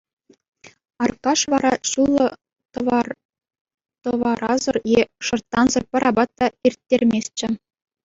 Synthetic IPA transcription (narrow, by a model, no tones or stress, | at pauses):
ɑrkɑʂʋɑɾɑɕulˠːɤ̆ | t̪ɤ | t̪ɤ̆ʋɑɾɑzɤ̆rjeʂɤ̆rt̪ːɑnzɤ̆rpʲɤ̆ɾʔɑbɑt̪ːɑirʲtʲːerʲmʲesʲt͡ɕɘ̆